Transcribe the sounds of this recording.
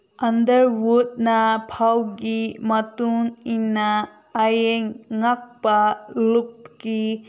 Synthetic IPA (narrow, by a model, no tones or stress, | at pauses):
ɐndəɾwud̚napʰawɡimɐtuŋinaː | jeŋːak̚palup̚ki